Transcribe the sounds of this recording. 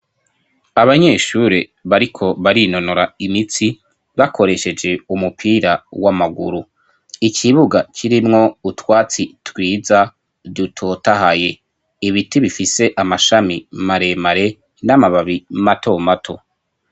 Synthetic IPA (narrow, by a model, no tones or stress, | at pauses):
aβaɲe̞ʃuɾeβaɾikʰo̞βaɾino̞noɾaimit͡si | βakʰo̞ɾe̞ʃe̞d͡ʒe̞umupʰiːɾawamaɡṵɾu | ikʰiβuɡakʰiɾimŋo̞utwaːt͡sitwiːza | dutʰotaɦaje̞ | iβitiβifise̞ʔamaʃamimaɾe̞maɾe̞ | namaβaβimato̞matʰo̞